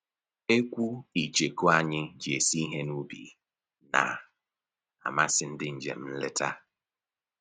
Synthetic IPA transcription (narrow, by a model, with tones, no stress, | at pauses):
e˦kʷu˦i˨t͡ʃe˨ko˦a˦ɲɪ˦d͡ʒe˨si˦i˦ɦe˦nu˦bḭː˨ | na̰˨ | a̰˨ma˦sɪ˨n̩˦dɪ˦n̩˦d͡ʒḛ˨m̩˦n̩˦lɪ˦ta˦